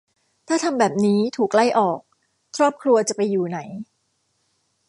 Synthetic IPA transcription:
t̪ʰaː˥˩t̪ʰa˧mbɛː˨˩p̚niː˦˥t̪ʰuː˨˩kla˥˩jʔɔː˨˩k̚ | kʰɾɔː˥˩p̚kʰɾu˧ɐt͡ɕa˨˩pa˧jːuː˨˩na˩˦j

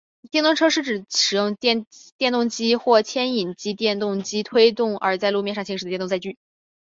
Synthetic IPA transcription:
t̪jɛ˥˧nt̪ʊ˥˧ŋʈ͡ʂʰɤ˥ʂɻ̩˥˩ʈ͡ʂɻ̩˨˩ʂɻ̩˨˩jʊ˥˧ŋ˥˧t̪jɛ˥˧nt̪ʊ˥˩ŋt͡ɕi˥xwɔ˥˩t͡ɕʰjɛ˥ni˨˩nt͡ɕi˧˥t̪jɛ˥˧nt̪ʊ˥˩ŋt͡ɕi˥t̪ʰwe˥ɪt̪ʊ˥˩ŋə̰˞˧˥t͡sa˥˧ɪlu˥˧mjɛ˥˧nʂɑ˥˩ŋɕʰi˧˥ʂ̩˨˩ə˩j̪ʊ˥˧t͡sa˧ɪt͡ɕy˥˩

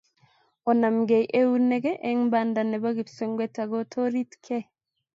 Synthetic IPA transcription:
ɔ˨na˨mɡe˨jʔe˦u˦ne˦ɡe˦ʔe˦ŋba˦nda˨ne˨βa˦ɣi˨pse˦ŋɡwe˦ta˨ɡo˦tʰo˦ɾi˦tkʰe˦

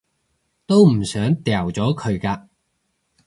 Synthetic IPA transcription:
t̪o˥wm̩˨˩sœː˨˥ŋt̪ɛː˨˩wt͡sɔː˨˥kʰɵ˨˧ɥkaː˧

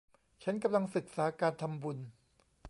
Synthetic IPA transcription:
t͡ɕʰa˦˥nka˧mla˧ŋsɯ˨˩k̚saː˩˦kaː˧nt̪ʰa˧mbu˧n

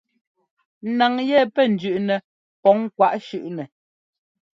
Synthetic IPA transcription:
na˨ŋjɛ˦˨pɛ˦˨n̩˨d͡ʒʉ˨ʔnɛ˨ | pɔ˨˦ŋkwa˨˦ʔʃʉ˦˨ʔnɛ˨

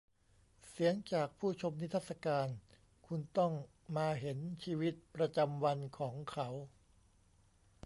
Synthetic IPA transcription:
si˩˦əŋt͡ɕaː˨˩k̚pʰuː˥˩t͡ɕʰo˧mni˦˥t̪ʰaː˥˩t̪sa˧kaː˧n | kʰu˧nt̪ɔ˥˩ŋ | maː˧ɦe˩˦nt͡ɕʰiː˧wi˦˥t̪̚pɾa˧t͡ɕa˧mwa˧nkʰɔː˩˦ŋkʰa˦˥w

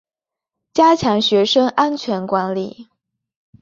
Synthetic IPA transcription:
t͡ɕja˥t͡ɕʰjɑ˧˥ŋɕɥɛ˧˥ʂɤ˥ŋʔa˥nt͡ɕʰɥɛ˧˥nkwa˧˥nli˥˩

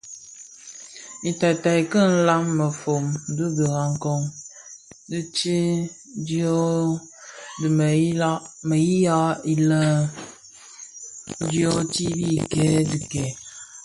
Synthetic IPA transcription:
i˨ta˨ta˨i˨kə˦n̩˦la˦mːə˨fo˨m˨˦du˦bə˨ɣa˨ŋ̩˦kɔ˦ŋ | dɨ˦t͡ʃi˦ | djɔ˦ | dm˨˦mə˨ji˦ja˦i˦lə˦ | djɔ˦ti˦bi˦˨kɛː˨˦dɨ˨kɛ˨˦

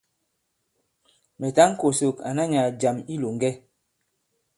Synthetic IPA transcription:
mɛ˨ta˦ŋ̩˦ko˨so˨ka˨na˦ɲa˨d͡ʒa˨mi˦lo˨ŋɡɛ˦

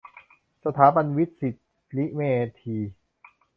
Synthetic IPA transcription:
sa˧t̪ʰaː˩˦ba˧nwi˦˥t̪̚si˨˩t̪̚ | li˦˥ʔmeː˧t̪ʰiː˧

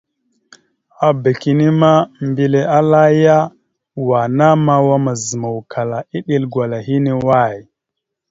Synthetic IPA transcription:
a˨be˨ki˦ni˦ma˦mbi˨le˨a˦la˦ja˦ | wa˨na˦ma˦wa˦ma˨zə˨ma˨wkʰa˨la˨i˦ɗi˦lɡwa˨la˨ɦi˦ni˦wa˦˨j

